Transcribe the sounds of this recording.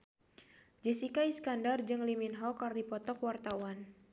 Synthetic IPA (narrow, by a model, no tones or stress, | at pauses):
d͡ʒɛsikaiskandard͡ʒɨŋliminɦɔkardipɔt̪ɔkwart̪awan